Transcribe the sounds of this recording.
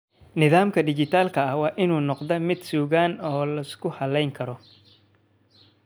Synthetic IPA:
nɪðaːmkʰɐɖɪt͡ʃɪt̪ʰaːlkʰɐɐhwɑːʔɪnuːnɔqðɐmɪd̪suːɣaːnɔːlɐskʰʊhɐlɛjŋkʰɐɾɔ

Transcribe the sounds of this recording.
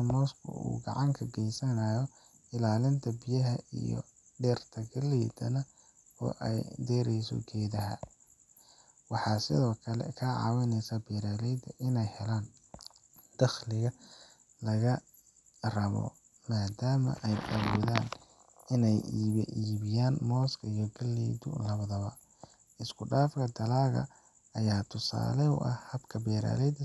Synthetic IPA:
mɔːskʰʊ̰ṵːɡɑʕɑŋkʰɐɡɛjsɐnajɔ | ɪlaːlɪnt̪ʰɐbɪjɐɦɐḭjɔ̰ | ɖɛːrt̪ʰɐɡɐlɛd̪ɐ̰nɐ | ɔ̰ːʔɛjd̪ɛːɾɛjsɔ̰ɡɛːðɐɦɐ̰ | wɑħɑːsɪðɔːkʰɐlɛ̰kʰɐʕɑ̰ːwɪnɛsɐbiːɾaːlɛjd̪ɐʔɪnɛjhɛlaːn | d̪̥ɐxlɪɣɐ | lɐɣɐ | rɐβɔ̰ | maːd̪aːmɐ̰ʔɛjɐwɔːðaːn | ɪnɛjːʔiːβɪjaːnmɔːskʰɐijɔɡɐlːɛːd̪ʊ̰lɐβɐðɐβɐ | ɪskʰʊɖaːfkʰɐd̪ɐlaːɣɐ̰ | ɐjaːt̪ʰʊsa̰ːlɛʊ̰ʔɐhhɐbkʰɐbɛːɾa̰ːlɛjd̪

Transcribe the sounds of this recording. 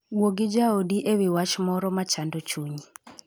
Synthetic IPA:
woɡɪd͡ʒaodiʔewiwat͡ʃmɔɾɔmat͡ʃandɔt͡ʃuɲi

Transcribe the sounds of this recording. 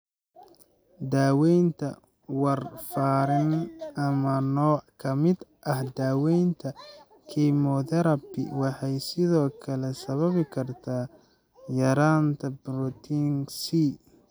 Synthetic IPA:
d̪aːwɛjnt̪ʰɐ̰ | wɑrfaːɾɪnɐmɐnɔːkʰɐmɪd̪ʔɐhd̪aːwɛjnt̪ʰɐ | kʰimɔðɛɾɐbɪ̰wɑħɑjsɪðɔːkʰɐlɛsɐβɐβɪkʰɐrt̪ʰaː | jɐɾaːnt̪ʰɐbɾɔt̪ʰiŋsi

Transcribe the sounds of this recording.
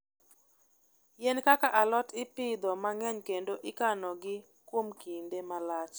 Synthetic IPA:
jɛnkakaʔalɔtɪpɪd̪ɔmaŋɛɲkendoʔɪkanɔɡɪ | kwomkindemalat͡ʃ

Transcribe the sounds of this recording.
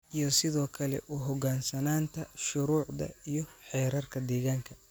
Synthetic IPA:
ʔijɔsɪðɔːkʰɐlɛ̰ʔuɦɔɡaːnsɐnaːnt̪ʰɐʃʊɾuːʕd̪ɐ̰ijɔħɛːɾɐrkʰɐd̪ɛːɣaːŋkʰɐ̥

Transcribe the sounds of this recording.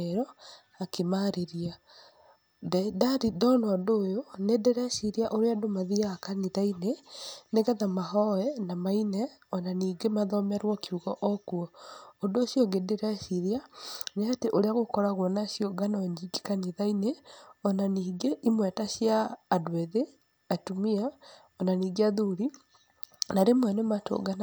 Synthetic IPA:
ɾɔ | akemaɾeɾia | ddaɾidɔnɔɔdoːjonedeɾɛsiɾiaʔoɾeadomaðiakaniðaineneɣɛðamaɦɔɛnamainɛɔnaniːɡemaðɔmɛɾwɔkiuɣɔʔɔkuɔondooːɕjɔŋɡedeɾɛsiɾjaneateʔoɾeaɣokɔɾaɣwɔnaɕioɡanɔɲd͡ʒiɡikaniðaineɔnaniːɡeʔimwɛtaɕjaːdweðe | atumia | ɔnaniːɡeaðuɾi | naɾemwɛnemato̰ɡana

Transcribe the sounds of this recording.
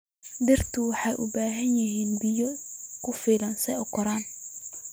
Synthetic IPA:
dɪrt̪ʰʊwɑħɑjʔʊ̰baːɦɐnjɪɦiːnbɪjɔkʰʊfiːlɐnsɛɔkʰɔɾaːn

